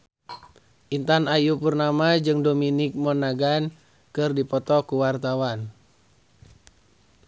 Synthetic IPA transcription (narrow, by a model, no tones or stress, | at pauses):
ʔint̪anajupərnamad͡ʒɨŋdominɪk̚mɔnaɡan | kɨrdipɔt̪ɔkuwart̪awan